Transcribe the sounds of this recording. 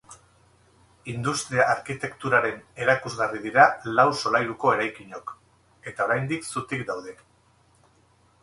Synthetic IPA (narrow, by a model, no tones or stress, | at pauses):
ind̪ust̪ɾiaːɾkit̪e̞kt̪uɾaɾe̞ne̞ɾakuzɣariðiɾalawso̞lajɾuko̞e̞ɾajkiɲo̞k | e̞t̪ao̞ɾajnd̪iksut̪ikd̪awð̞e̞